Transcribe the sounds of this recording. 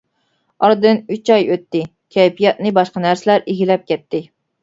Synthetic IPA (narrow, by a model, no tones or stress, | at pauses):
ɑɾd̪ɨnyt͡ʃɑjøt̪ːɪ | kʲʰɛjpijɑt̪̚nɨbɑʃqɑnæɾsɪlæɾeɡʲilɛp̚kʲɛt̪ːɪ